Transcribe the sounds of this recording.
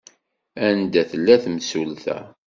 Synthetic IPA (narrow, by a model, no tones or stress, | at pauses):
ænd̪æθəlːæθmsulθæ̰